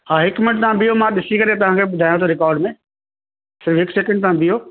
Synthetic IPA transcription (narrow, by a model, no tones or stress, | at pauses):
ɦaːɦɪkmɪnʈ̚t̪ãbɪjomãɗɪsikɐɾet̪̬ɐʋ̤ãːkʰebʊd̪ʱaːjõt̪ʰoɾɪkɔːɾɖmẽ | sɪɾfɦɪksɛkə̃ɳɖ̚t̪ãːbɪjoː